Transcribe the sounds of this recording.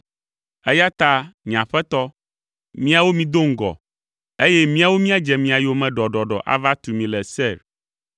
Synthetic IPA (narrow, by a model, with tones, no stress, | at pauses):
ɛ˦ja˦t̪a˦mĩ˨ã̰˨ɸɛ˦t̪ɔ˦ | mĩ˦a˨wo˦mĩ˨d̪o˦ŋ̩˦ɡɔ̰˨ | e˦jɛ˦mĩ˦a˨wo˦mĩ˦a˦d͡ʒɛ˨mĩ˨a˨jo˨mɛ̃˨ɖɔ˨ɖɔ˨ɖɔ̰˨ʔa̰˦va˦t̪u˨mĩ˨lɛ˨sɛ˦˨ɾ